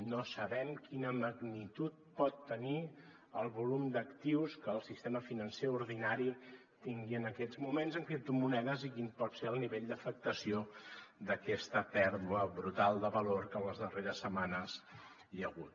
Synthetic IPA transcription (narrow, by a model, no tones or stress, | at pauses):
nosəβɛmkinəməɣnit̪ut̪̚pɔt̪ːəni | əlˠβulumd̪əkt̪iwskəːlˠsist̪eməfinənseuɾðinaɾi | t̪iŋɡiənəkɛd͡zmumenzəŋkɾit̪umunɛðəzikimpɔt̪seəlˠniβeʎd̪əfək̚t̪əsiod̪əkɛst̪əpɛɾðuəβɾut̪alˠd̪əβəloɾkənləzðəreɾəsːəmanəz | ʎəɣut̪